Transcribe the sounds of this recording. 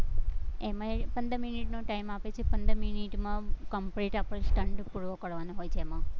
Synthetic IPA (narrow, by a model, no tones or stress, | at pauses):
emãepə̃nd̪əminiʈnoʈaimapet͡ʃʰepənd̪əminiʈmãkəmpɾeʈapəɽ̃sʈəɳɖpuɽʋokəɽʋanoɦojt͡ʃʰemã